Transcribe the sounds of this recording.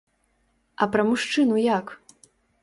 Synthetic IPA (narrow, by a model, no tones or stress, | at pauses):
ɐpɾɐmuʂt͡ʂɨnujak